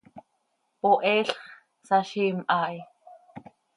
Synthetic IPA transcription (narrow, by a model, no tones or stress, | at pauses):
poʔɛːɬχ | saʃiːmʔɑːj